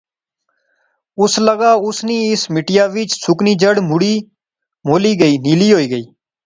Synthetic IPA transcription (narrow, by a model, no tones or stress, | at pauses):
ʊsləɡaːʊsniːɪsmɪʈɪjaːʋɪt͡ʃsʊkniːd͡ʒəɽmʊɽiː | moːliːɡəiːniːliːɦoːiːɡəiː